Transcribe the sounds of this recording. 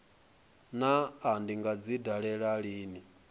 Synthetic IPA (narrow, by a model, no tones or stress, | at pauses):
naːndiŋɡad͡zidaɺɛɺaɺiːni